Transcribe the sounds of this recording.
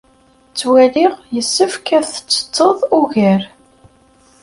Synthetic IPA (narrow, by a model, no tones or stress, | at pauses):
t͡sːwæliʁjəsːəfkæθət͡sːə̥t͡sˤːəðˤuɣəɾ